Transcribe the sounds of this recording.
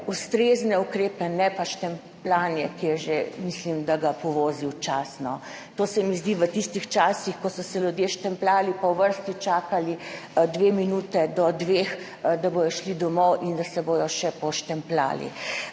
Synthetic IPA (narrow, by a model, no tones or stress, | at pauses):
ust̪ɾeːznɛukɾeːpɛnɛpaʃt̪ɛmplaːnjɛkɛʒemislimd̪aɡapɔʋoːziwt͡ʃaːsnɔ | t̪oːsɛmizd̪iʋət̪ist̪ixt͡ʃaːsixkɔsɔsɛljud̪jeʃt̪ɛmplaːlipawʋəɾst̪it͡ʃaːkalid̪ʋeːminuːt̪ɛd̪ɔd̪ʋex | d̪abojɔʃlid̪ɔmɔwʔind̪asɛbojɔʃɛpɔʃt̪ɛmpla̰ːlḭ